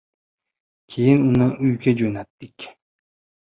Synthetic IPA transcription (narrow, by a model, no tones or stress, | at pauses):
kʰejinunːaʔyjkʲed͡ʒønat̪ːikʲ